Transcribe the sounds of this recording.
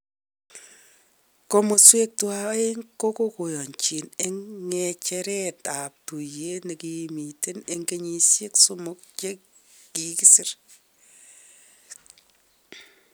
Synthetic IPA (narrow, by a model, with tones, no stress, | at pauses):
ko˦mo˨swe˦k̚twa˦we˦ŋko˦ko˦ko˨jɔ˨ɲt͡ʃi˨ne˦ŋŋɛt͡ʃɛɾɛta˨p̚tu˨je˦ne˨kimi˨te˦ne˨ŋɡe˦ɲi˦sje˦ksʊ˦mʊk̚t͡ʃe˦ | kiki˦sɪ˦r